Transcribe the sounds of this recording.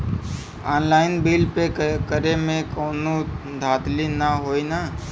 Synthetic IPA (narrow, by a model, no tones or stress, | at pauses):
aːnlaːɪnbiːlpekəɾemẽkɔːnu | d̪ʱaːt̪linaɦoːina